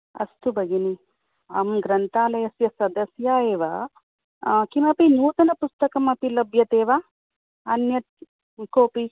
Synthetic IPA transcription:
ɐ̰st̪ubɐɡini | ɐ̰mɡɾɐnt̪aːlɐjɐsjɐsɐd̪ɐsjaːeːʋɐ | kimɐpinuːt̪ɐnɐpust̪ɐkɐmɐpilɐbʱjɐt̪eːʋa | ɐnjɐt̪̚ | koːpi

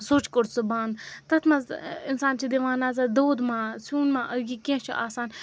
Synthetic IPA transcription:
soːt͡ʃkoɾsɨbãːnd̪t̪ɐt̪ʰmãɪnsaːnt͡ʃʰid̪iʋaːnaːzad̪oːd̪mãːsuːnmãʔəɡikẽːt͡ʃʰḭʔaːsaːn

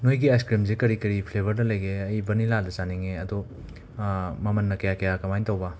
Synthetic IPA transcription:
nojɡiajskɾimzekɐɾikɐɾipʰlebʱɐɾdɐlɐjɡeɐjbɐnilaldɐt͡ʃaniŋeɐdo | mɐmɐnːɐkɐjakɐjakɐmajntɐwbɐ

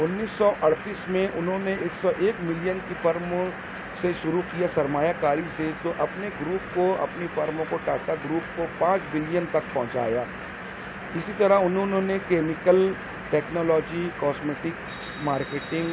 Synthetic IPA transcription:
ʊnːiːsːɔʔɐɽt̪iːsmẽʔʊnɦõːneeːksɔʔeːkmɪlijənkifɐɾmõ | seʃʊɾukijasɐɾmaːjakaːɾiset̪oʔɐpneɡɾuːpkoɐ̰pnefɐɾmõkoʈaːʈaɡɾuːp̚kopãːt͡ʃbɪlijənt̪ɐk̚pɐ̃ɦʊ̃t͡ʃa̰ːjaː | ɪsit̪ɐɾaʊnɦõnɦõːnekɛːmɪkəl | ʈɛːknɔːlɔːd͡ʒikɔːsmeːʈɪk | smaːɾkeːʈɪ̃ŋɡ

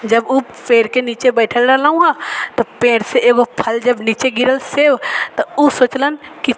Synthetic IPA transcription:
d͡ʒɐbu | peːɾkeniːt͡ʃebɛːʈʰəlɖəɾlaũɦat̪opeːɾseʔeːɡopʰəld͡ʒɐbniːt͡ʃeɡɪɾəlsewt̪ouːsoːt͡ʃlənki

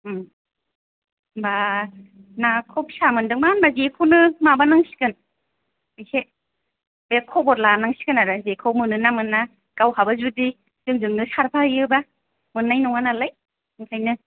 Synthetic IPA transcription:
ba | nakʰɔp̚samɯndɯŋmanbazekʰownɯmabanaŋsi̥kɯn | ɯjse | bekʰɔbɔtlanaŋsi̥kɯnaɾɯzekʰawmɯnɯnamɯnːa | kawhabazudi | zɯŋzɯŋnɯsaɾpʰaɯjɯba | mɯnːajnɔŋanalaj | ɯŋkʰajnɯ

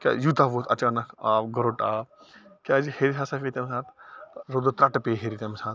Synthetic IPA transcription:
kʲa̰ːjut̪aʋoːt̪ʰɐt͡ʃaːnɐkʰaːɡəɾoːʈaː | kʲaːd͡ʒiheːɾisaːsafet̪ɐmsaːt̪ɾod̪ot̪ɾɐʈpeːɦeːɾit̪ɐmsaːt̪̚

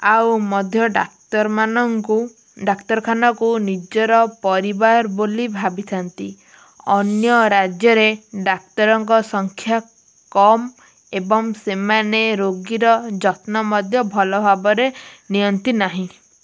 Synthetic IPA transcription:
awmɔd̪ʱjɔɖa̰t̪ɔɾmanɔŋku | ɖakt̪ɔɾkʰanɔkunid͡ʒɔɾɔpɔɾibaɾbolibʱabit̪ʰant̪i | ɔnjɔɾad͡ʒjɔɾeɖak̚t̪ɔɾɔŋkɔsɔŋkʰja | kɔm | ebɔŋsemaneɾoɡiɾɔd͡ʒɔt̪nɔmɔd̪ʱjɔbʱɔlɔbʱabɔɾenijɔnt̪inaɦĩ

